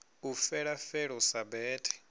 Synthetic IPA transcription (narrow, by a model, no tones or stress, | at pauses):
ufɛɺafɛɺɔsabɛːtʰʼɛ̥